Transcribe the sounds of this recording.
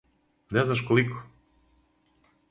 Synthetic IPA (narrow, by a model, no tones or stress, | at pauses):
nɛznaʃkoliko